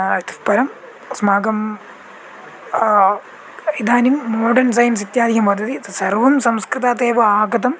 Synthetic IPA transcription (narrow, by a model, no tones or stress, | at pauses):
it̪u̥pɐɾɐm | smaːɡɐm | id̪ʱaːnimːoːɖɐns̬ɐjɐns̬it̪jaːd̪ʱiɦɐmʋɐd̪ʱɐt̪isɐrʋɐmsɐmskɾɨt̪aːt̪eːʋɐaːɡɐd̪ɐm